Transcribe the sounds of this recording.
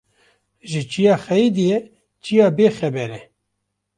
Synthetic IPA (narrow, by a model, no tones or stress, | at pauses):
ʒɪt͡ʃijaːxɛid̪ijɛ | t͡ʃijaːbeːxɛbɛɾɛ